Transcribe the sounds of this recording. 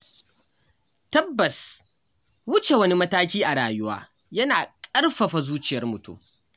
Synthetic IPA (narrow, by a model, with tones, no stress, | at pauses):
tɐ˦bːɐ˨s | wʊ˦t͡ʃe˨wɐ˦ni˦mɐ˦taː˦k̬ʲiː˦ʔa˨ɽaː˨jʊ˦wa̰ː˦ | jɐ˦naː˨kʼɐ˦rɸɐ˨ɸa˨zuː˦t͡ʃɪ˨jɐ˦rmʊ˨tṵ˦m